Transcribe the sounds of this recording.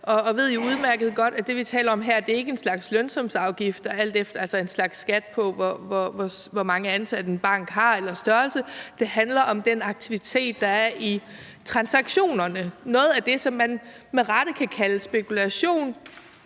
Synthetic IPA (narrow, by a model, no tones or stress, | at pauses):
ɒ̽ʋe̝ð̞̰ˠjouð̞ˠmæɐɡ̥ð̞̩ˠɡ̥ɒ̽d̥æd̥e̝ʋit͡sʰɛ̰ːlɐɒ̽mɦeɐ̰d̥e̝ɐe̝ɡ̥əe̝nslɑ̈ɡ̥slønsɒ̽msɑ̈ʊɡ̥ifd̥ɒæl̰d̥efd̥ɐælsɒe̝nslɑ̈ɡ̥sːɡ̥æd̥̚pʰɒ̽ʋɒʋɒʋɒʋɒmɑ̈ŋəænsæd̥ən̩b̥ɑ̈ŋ̰ɡ̥ɦɑ̈elɐsd̥ɶɐlsəd̥e̝ɦænlɐʔɒ̽md̥enɑ̈ɡ̥̚t͡sʰiʋit͡sʰe̝̰ːd̥ːɑ̈æɐʔi | t͡sʰʁɑ̈nsɑ̈ɡ̥ɕo̝̰ːnɐnənɔ̽ːð̞̩ˠæd̥e̝sɒ̽mːæn | meʁɑ̈ɾ̥əkʰækʰæləsb̥e̝kulæɕo̝̰ːn